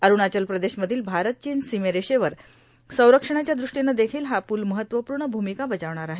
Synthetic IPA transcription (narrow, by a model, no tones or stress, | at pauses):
əɾuɳat͡ɕəlpɾəd̪eɕməd̪ʱiːlbʱaɾət̪̚t͡ɕinsimeɾeɕeʋəɾ | sə̃w̃ɾəkʂəɳ̃at͡ɕjad̪ɾuʂʈinːad̪ekʰiːlɦapuːlməɦət̪ʋəpuːɾɳəbʱumikabəd͡zaʋɳ̃aɾaɦe